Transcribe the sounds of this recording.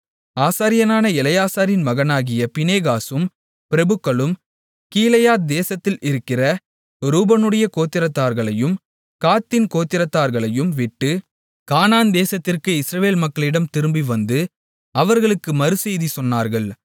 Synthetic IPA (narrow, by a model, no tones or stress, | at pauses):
aːsaːɾɪjɐnaːnɐɪlɐjaːsaːɾɪnmɐɣɐnaːɣɪjɐpɪneːɣaːsɯm | pɪɾɐbɯkːɐɭɯm | kiːlɐjaːt̪̚d̪eːsɐt̪ːɪlʔɪɾɯkːɪrɐ | ɾuːbɐnɯɽɐjɐkoːt̪ːɪɾɐt̪ːaːɾɣɐɭɐjɯm | kaːt̪ːɪnkoːt̪ːɪɾɐt̪ːaːɾɣɐɭɐjɯmʋɪʈːɯ | kaːnaːnd̪eːsɐt̪ːɪrkɯɪsɾɐʋeːlmɐkːɐɭɪɽɐmt̪ɪɾɯmbiʋɐnd̪ɯ | ɐʋɐɾɣɐɭɯkːɯmɐɾɯsɛjðisɔnːaːɾɣɐɭ